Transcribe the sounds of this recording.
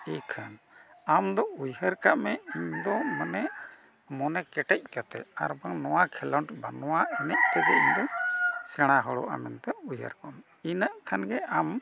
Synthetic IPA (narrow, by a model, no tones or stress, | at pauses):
ɛkʰan | amd̪ɔujɦəɾkaʔmɛiɲd̪ɔmanɛʔ | mɔnɛkɛʈɛc̚ˀkat̪ɛ̰a̰ɾbaŋnɔwakʰɛlɔɳʈbanɔwaɛnɛc̚t̪ɛɡɛ̰iɲd̪ɔsɛɽ̃aɦɔɽɔ̰ʔa̰mɛnt̪ɛujɦə̰ɾkaʔmɛ | inaʔkʰanɡɛam